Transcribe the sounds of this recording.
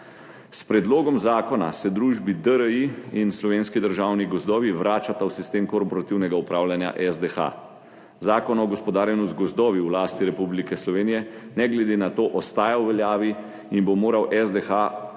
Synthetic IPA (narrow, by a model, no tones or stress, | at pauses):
spɾɛd̪loːɡɔmzaːkɔna̰sɛd̪ɾuʒbid̪əɾəiinslɔʋeːnskid̪əɾʒaːwniɡɔzd̪ɔːʋiʋɾaːt͡ʃat̪awsist̪eːmkɔɾpɔɾat̪iwnɛɡaupɾaːwljanja̰ʔɛzd̪ɛxa̰ | zaːkɔnɔɡɔspɔd̪aːɾjɛnɔsɡɔzd̪ɔːʋiwlaːst̪iɾɛpublikɛslɔʋeːnijɛnɛɡlɛd̪eːnat̪oːʔɔst̪aːjawʋɛljaːʋi | inbomoːɾawʔɛzd̪ɛxa